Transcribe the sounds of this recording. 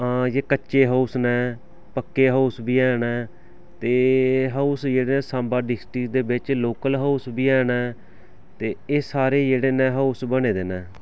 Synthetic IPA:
aːjeːkətːʃeːɦəusnɛ̃ː | pəkːeːɦəʊsbiːɛːnɛ̃ː | t̪eːɦəʊsd͡ʒeːɽeːnɛ̃ːsãːmbaːɖɪsʈikd̪eːbɪt͡ʃloːkəlɦəʊsbiːɛːnɛː | t̪eːeːsaːɾeːd͡ʒeːɽeːnɛ̃ːɦəʊsbəɳeːd̪eːnɛ̃ː

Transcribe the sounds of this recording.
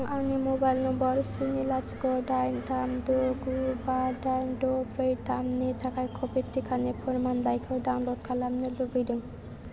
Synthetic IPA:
ŋawnimobajlnɔmbɔɾsinilat͡ʃɡɔdajnt̪amdoɡubadajndopɾejt̪amnitʰakajkʰopit̪ːikʰanepʰonmanlajkʰɯdawnlod̚kʰalamnilubɯjdɯŋ

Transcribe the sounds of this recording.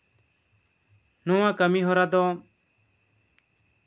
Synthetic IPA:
nɔwãkəmiɦɔɾad̪ɔ

